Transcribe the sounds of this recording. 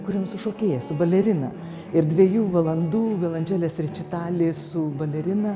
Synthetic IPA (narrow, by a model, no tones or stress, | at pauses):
kʊɾʲiɛmsʊʃoːkʲeːjɛsʊbɐlʲɛɾʲɪnɐ̰ | ɪɾdʲʋʲiɛjuːʋɐlˠɐnd̪uːʋʲɛlˠɐnʲd͡ʒʲæːlʲeːsrʲɛt͡ʃʲɪt̪ɑːlʲeːsʊbɐlʲɛɾʲɪnɐ